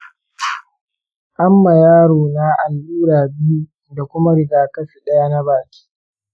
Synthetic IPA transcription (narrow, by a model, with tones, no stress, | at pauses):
ʔa˦mːa˨jaː˦ɽoː˨naː˦ʔa˨lʔuː˦ɽaː˨bɪ˦ju˦ | da˨kʷʊ˦ma˦ɽɪ˨ɡaː˨kɐ˦si˨ɗɐ˦ja˦na˦baː˨kʲi̥ː˦